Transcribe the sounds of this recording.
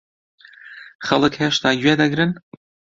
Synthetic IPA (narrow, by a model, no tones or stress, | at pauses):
χɐlˠɨkheːʃt̪ʰaːɡɥeːd̪ɐɡɾɨn